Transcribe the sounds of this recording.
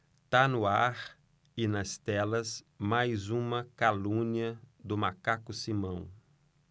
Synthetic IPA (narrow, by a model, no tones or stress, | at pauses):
t̪anʊaɾ | ɪnɐst̪ɛlɐs | majzũmɐkalũniɐd̪ʊmakakʊsimɐ̃w̃